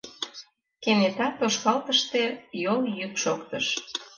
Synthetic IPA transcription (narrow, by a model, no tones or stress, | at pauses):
kenet̪ɑt̪oʃkɑlt̪əʃt̪ejoljykʃokt̪əʃ